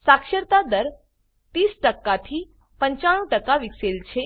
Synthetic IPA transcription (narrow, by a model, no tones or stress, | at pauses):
sakʃəɾt̪ad̪əɾ | t̪iːsʈəkːat̪ʰi | pəɲt͡ʃaɽ̃ũʈəkaʋikselt͡ʃʰe